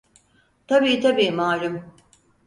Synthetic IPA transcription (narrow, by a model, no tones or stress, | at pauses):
t̪ʰabiːt̪ʰabiːmaːɾɯm